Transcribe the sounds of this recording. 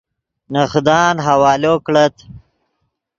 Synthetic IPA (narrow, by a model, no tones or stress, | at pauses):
nəxd̪ɑːnɦawɑːloːkɽət̪